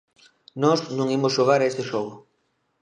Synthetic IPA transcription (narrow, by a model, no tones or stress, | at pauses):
nɔznũŋimʊsʃoɣ̞aɾɐest̪eʃoɣʊ